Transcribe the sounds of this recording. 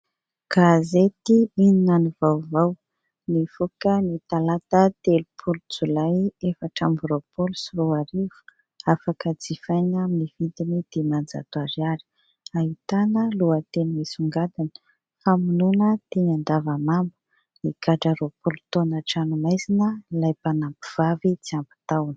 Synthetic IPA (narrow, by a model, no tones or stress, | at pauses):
ɡ̥azet̪iininanivawvaw | nifukənit̪alat̪ət̪elupʰulud͡zulajefaʈ͡ʂambɾopulusiɾuaɾiv̥u̥ | afakəd͡zifajnaminivid̪inid̪̥emand͡za̰t̪uaɾiaɾi̥ | aɦit̪anəluət̪enmisuŋɡad̪anə̥ | faminunət̪eɲand̪avamambu̥ | nikaʈ͡ʂaɾopulut̪onaʈ͡ʂanumajzinəlajpanampiv̥avit͡siambi̥t̪awn̥